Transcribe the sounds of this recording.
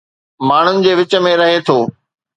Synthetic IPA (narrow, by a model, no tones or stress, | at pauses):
maːɳ̤ʊnɪ̆d͡ʑeːʋɪt͡ɕə̆mẽɾɐɦet̪ʰoː